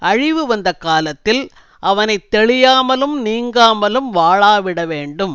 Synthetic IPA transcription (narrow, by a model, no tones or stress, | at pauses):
ɐɻɪʋɯʋɐnd̪ɐkaːlɐt̪ːɪl | ʔɐʋɐnɐɪt̪ːɛɭɪjaːmɐlɯmniːŋɡaːmɐlɯmʋaːɭaːʋɪɽɐʋeːɳɖɯm